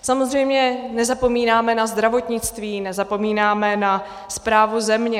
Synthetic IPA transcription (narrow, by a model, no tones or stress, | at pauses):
samo̞zrɛjmɲɛnɛzapomiːnaːmɛnazd̪ɾavo̞t̪ɲɪt͡st̪viːnɛzapo̞miːnaːmɛna | spɾaːvuzɛmɲɛ